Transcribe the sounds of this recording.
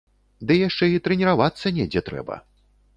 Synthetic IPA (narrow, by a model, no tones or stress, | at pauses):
d̪ɨjaʂt͡ʂɛit̪ɾɨnʲɛɾavat̪sːɐnʲɛd͡zʲɛt̪ɾɛ̰bɐ̰